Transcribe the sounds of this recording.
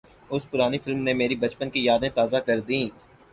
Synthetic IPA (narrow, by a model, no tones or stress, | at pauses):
ʊspʊɾaːnifɪlmnemeːɾibɐt͡ʃpənkijaːd̪ẽt̪aːzakɐɾd̪ĩː